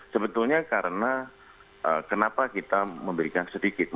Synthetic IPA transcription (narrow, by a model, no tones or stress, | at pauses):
səbət̪ulɲakaɾəna | ʔəkənapakit̪aməmbəɾikansədikɪt̪̚m